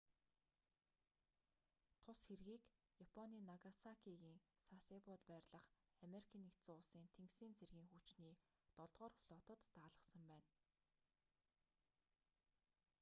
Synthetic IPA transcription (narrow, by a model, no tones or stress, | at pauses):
t̪ʰʊsxerɣiːk | japʰɔniːnaɣasakʰiɣiːŋsasepʊt̪pæːrʲɮə̆χ | ameɾikʰiːnikt͡sʊːɮsiːnt̪ʰeŋksiːnt͡sʰerɣiːŋxut͡ɕniːt̪ɔɮʁɔːrfɮʊːt̪ə̆t̪ːaːɮə̆sə̆mpæːn